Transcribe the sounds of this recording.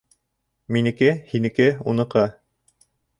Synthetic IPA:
minɘ̆kɘhinɘ̆kɘunɤ̆qɑ

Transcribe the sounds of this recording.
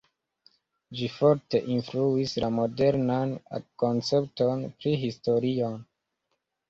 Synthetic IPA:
d͡ʒifoɾte̞ʔinfluislamo̞de̞ɾnan̰kont͡se̞p̚tonpɾiɦisto̞ɾion

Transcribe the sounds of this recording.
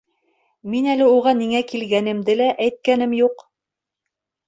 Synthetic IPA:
minælɘuʁɑniŋækilɡænɘ̆md̪ɘlæʔæjt̪̚kænɘmjuq

